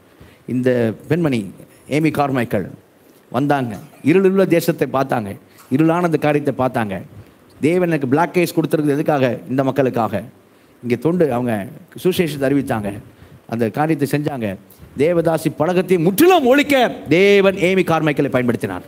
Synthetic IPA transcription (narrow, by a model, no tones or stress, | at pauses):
ɪnd̪ɐpɛnmɐni | eːmikaːɾmɐɪkːɐɭ | ʋʔɐnd̪aːŋɡɐ̰ɪɾɯɭɪʋːɐd̪eːsɐt̪ːɐɪpːaːɾt̪aːŋɡɐ | ɪɾɯɭaːnɐnd̪ɐkaːɾɪjɐt̪ːɐɪpaːɾt̪aːŋɡɐ̰ | d̪eːʋɐnɛnɐk̬ːɯbɭaːkːeːskɔɽɯt̪ːɯɾɯkːɐðɛðɯkːaːɣɐɪnd̪ɐmɐkːɐɭɯkːa̰ːɣɐ | ɪŋɡeːt̪ɔɳɖɯɐʋɐŋɡɐsuʂeːʂɐt̪ɐɾɪʋɪt͡ʃt̪ːa̰ːŋɡɐʔɐ̰nd̪ɐkaːɾɪjɐt̪ːɐsɛɲd͡ʒaːŋɡɐ | d̪eːʋɐðaːsipɐɻɐɣɐt̪ːɐjmʊʈːɪlɐmɔɻɪkːɐd̪eːʋɐneːmikaːɾmɐɪkːɐɭɐɪpːɐjɐnpɐɽɯt̪ːɪna̰ːɾ